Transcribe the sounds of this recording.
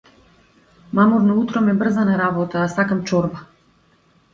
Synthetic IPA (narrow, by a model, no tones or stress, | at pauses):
mamɔɾnɔut̪ɾɔmɛbr̩zanaɾabɔt̪aːsakamt͡ʃɔɾba